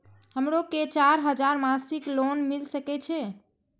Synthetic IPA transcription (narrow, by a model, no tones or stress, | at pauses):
həmɾoket͡ʃaɾɦəd͡ʒaɾmasiklonmilsəkɛt͡ʃʰɛ